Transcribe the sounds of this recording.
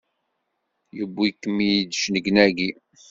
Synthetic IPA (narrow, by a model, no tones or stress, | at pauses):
jəbːikːəmijd̪əʃnəɡnæɡi